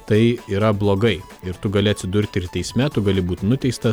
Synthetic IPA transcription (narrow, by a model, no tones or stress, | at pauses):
t̪ɐɪiːɾɐblˠoːɡɐɪ | ɪɾt̪ʊɡɐlʲɪɐt̪ʲsʲɪd̪ʊɾʲt̪ʲɪɾt̪ʲɛɪsʲmʲɛt̪ʊɡɐlʲɪbuːt̪ʲnʊt̪ʲɛɪst̪ɐ